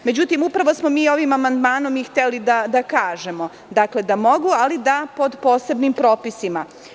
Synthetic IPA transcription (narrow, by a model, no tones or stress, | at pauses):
me̞d͡ʑut̪imupɾaʋo̞smo̞miːo̞ʋimamand̪maːno̞mixt̪elid̪ad̪akaːʒe̞mo̞ | d̪akle̞d̪amo̞ɡualid̪apo̞d̪po̞ːse̞bnimpɾo̞ːpisima